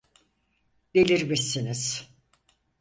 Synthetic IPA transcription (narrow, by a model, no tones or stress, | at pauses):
d̥elʲiɾmisiniz̥